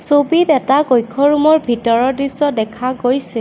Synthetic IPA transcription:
sobitɛtaɡojkʰːɔɹumɔɹbʱitɔɹɔdɹisːɔdɛkʰaɡojsɛ

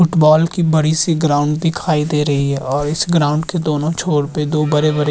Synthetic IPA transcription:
ʊʈbɔːlkibɐɽisiɡɾaːʊ̃ɳɖd̪ɪkʰaːid̪eːɾɐɦiɦɛːɔːɾɪsɡɾãːʊ̃ɳɖked̪oːnõt͡ʃʰoːɽped̪oːbɐɾebɐɾe

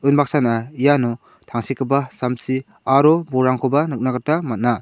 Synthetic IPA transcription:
ɯnbak̚sanaijanɔ | tʰaŋsikʰɯbasamsi | aɾɔbɔɾaŋkʰɔbanɯk̚naɡatamat̚na

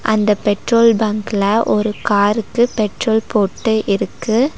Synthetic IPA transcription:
ʔɐ̰nd̪ɐpɛʈroːlbɐːŋkɪlɐʔɔɾɯkaːɾɯkːɯpɛʈroːlpoːʈːɯʔɪɾɯkːɯ

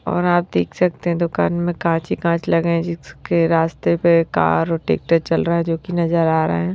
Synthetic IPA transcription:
ɔ̰ːɾaːp̚d̪eːkʰsɐk̚t̪eɦɛ̃d̪oːka̰ːnmẽkãːt͡ʃikãːt͡ʃlɐɡẽd͡ʒɪskeɾaːst̪epeka̰ːɾɔːɾʈḛːk̚ʈəɾt͡ʃɐlɾaaɦɛ̃d͡ʒoːkinɐzəɾaːɾɐ̰ɦaɦɛː

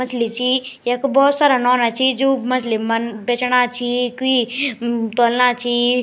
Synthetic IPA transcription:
mɐt͡ʃʰlit͡ʃʰijekbɔːt̪saːɾanɔːnat͡ʃʰid͡ʒomɐt͡ʃʰlimɐnbet͡ʃnat͡ʃʰiki | t̪olnat͡ʃʰi

